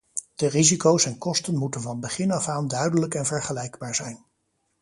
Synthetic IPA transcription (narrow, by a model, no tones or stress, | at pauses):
d̥ərizikowsɛnkɔstənmutənvɑnbəχɪnɑfaːndœɥdələkɛnvɛɹχəlɛjɡbaːɹzɛjn